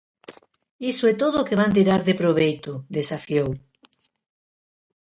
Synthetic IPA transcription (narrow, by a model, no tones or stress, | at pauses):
isoet̪oðokeβ̞ant̪̬iɾaɾðepɾoβ̞ejt̪od̪esafjow